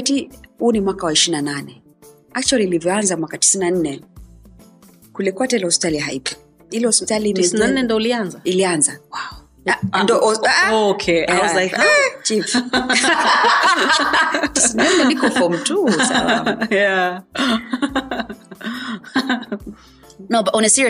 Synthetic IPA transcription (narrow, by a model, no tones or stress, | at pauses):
tihunimwakawaiʃinananɛ | ak̚t͡ʃwaliːlivjɔanzamwakati̥sinan̩nɛ | kulɛkwatailɛhɔspi̥taliɦaipɔ̥ | ilɛhɔspitalinisnannːɛndɔulianzailianzawaɔ | andɔɔkʰɛaaɛt͡ʃif | tisinanɛnikɔfɔm̩tusa̰la̰mja | nobaʔunasiɾi